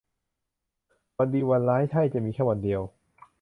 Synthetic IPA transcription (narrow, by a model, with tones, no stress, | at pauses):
wa˧ndiː˧wa˧nlaː˦˥jt̪ʰa˥˩jt͡ɕa˨˩ʔmiː˧kʰɛː˥˩wa˧ndi˧əw